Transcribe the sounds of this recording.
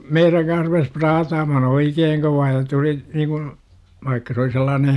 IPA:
meiræŋ kɑns rupes prɑːtɑːmɑhn oikeːŋ koʋɑː jɑ tuli niːkun ʋɑikːɑ se oli selːɑːnen

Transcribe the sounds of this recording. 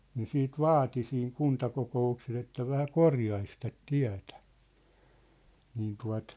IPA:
ne siːt ʋɑːti siːŋ kuntɑkokoukses etːæ ʋæhæ korjɑis tæt tiæ̝tæ̥ niːn tuɑ̝t

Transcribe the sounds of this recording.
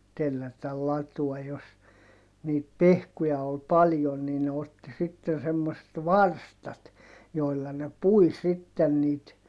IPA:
telːætæl lɑtuɔj jos niːt pehkujɑ ol pɑljon niː ne otːi sitːen semːoset ʋɑrstɑt joi̯lːɑ ne pui sitːen niːt

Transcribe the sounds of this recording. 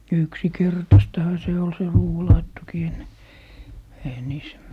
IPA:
yksikertɑstɑhɑ se ol se ruːwɑlɑitːokiː enːe eihæ niːs

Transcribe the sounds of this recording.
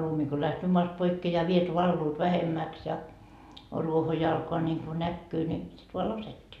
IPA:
lumi ko læhtøː moɑst poikːeː jɑ ʋiet ʋɑlːuːt ʋæhemːæks jɑ ruoho jo ɑlkoɑ nʲiŋku nækːyː ni sit ʋoɑ lɑsetʲːiː

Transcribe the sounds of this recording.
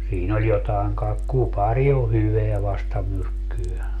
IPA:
siːn olʲ jotɑeŋ kɑek kupɑrʲi o hyʋeæ ʋɑstɑmyrkːyø

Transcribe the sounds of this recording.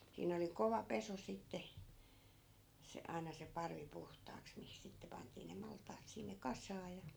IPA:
siːn oli koʋɑ peso sitːe se ɑi̯nɑ se pɑrʋi puhtˑɑːks mihis sitːe pɑntˑiː ne mɑltˑɑːt sinːe kɑsˑɑː jɑ

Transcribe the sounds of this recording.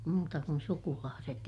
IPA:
muːtɑ kun sukulɑːset

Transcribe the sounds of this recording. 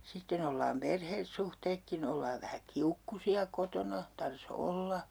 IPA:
sitːen olːɑːm perhesːuhteːkːin olːɑːʋ ʋæhæ kiukːusiɑ kotonɑ tɑrs olːɑ

